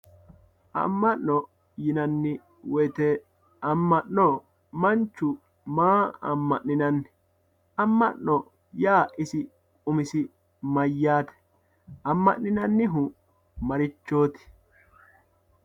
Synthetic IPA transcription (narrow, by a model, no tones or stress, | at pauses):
ʔɐ̰mːɐnːɔ | jɪnɐnːɪ | wɔjt̪ɛ | ɐmːɐnːɔ | mɐnt͡ʃːʊ | maːɐ̰mːɐʔnɪnɐnːɪ | ɐmːɐnːɔ | jaːʔɪsɪ | kʼʊmɪsɪ | mɐjːaːt̪ɛ̥ | ʔɐmːɐ̰ʔːɪnɐnːɪɦʊ | mɐɾɪt͡ʃːo̞ːt̪ɪ̥